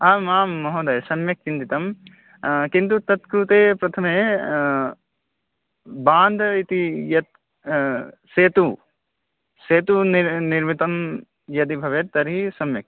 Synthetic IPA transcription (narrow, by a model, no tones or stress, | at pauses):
aːmaːmːɐɦoːd̪ɐjsɐmjɐk̚t͡ʃind̪it̪ɐm | kint̪̬ut̪ɐt̪kɾut̪eːpɾɐt̪ʰɐme | baːnd̪ʱɐit̪ijɐt̪̚ | seːt̪u | seːt̪unniɾmit̪ɐm | jɐd̪ibʱɐʋet̪ɐɾɦisɐmjɐk̚